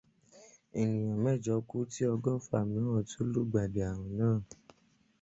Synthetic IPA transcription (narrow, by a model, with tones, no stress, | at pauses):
i˨ɲĩ˨ã˨mɛ˦˨d͡ʒɔ˨˦ku˦ti˦ɔ˧ɡɔ˦fa̰˨mĩ˨˦ɔ̃˦˨tʰo˦lu˦˨ɡ͡ba˨de˨a˨ɾ̃ɔ̃˨nãː˦˨